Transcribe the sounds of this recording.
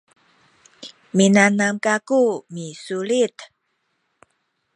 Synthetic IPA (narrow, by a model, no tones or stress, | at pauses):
minanamkakumisulit̪